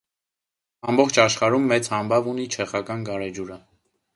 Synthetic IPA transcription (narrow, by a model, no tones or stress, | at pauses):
ɑmbɔχt͡ʃʰɑʃχɑɾumːɛt͡shɑmbɑvun̪it͡ʃʰɛχɑkɑnɡɑɾɛd͡ʒuɾə